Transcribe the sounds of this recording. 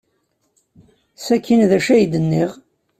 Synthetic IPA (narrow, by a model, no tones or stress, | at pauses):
sækːinðæʃæjd̪ənːiʁ